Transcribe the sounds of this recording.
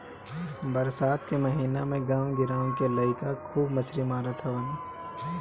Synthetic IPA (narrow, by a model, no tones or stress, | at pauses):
bɐɾsaːt̪kemɐɦiːnamẽɡãːwɡɪɾaːwkelɐɪkakʰuːbmɐʃɾimaːɾat̪ʰɐʋɐniː